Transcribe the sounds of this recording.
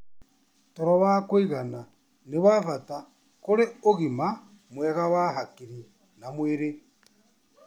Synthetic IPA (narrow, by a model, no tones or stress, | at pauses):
toɾɔwakweiɣana | newafata | koɾeoɣima | mwɛɣawaɦakiɾi | namweɾe